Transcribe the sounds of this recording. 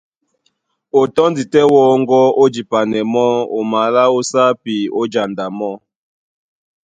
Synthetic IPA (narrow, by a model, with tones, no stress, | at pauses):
o˨tɔ˦ndi˨tɛ˦wɔ˦ŋɡɔ˦o˦d͡ʒi˨pa˨nɛ˨mɔ˦o̰˨ma˨la˦o˦sa˦pi˨o˦d͡ʒa˨nda˨mɔ˦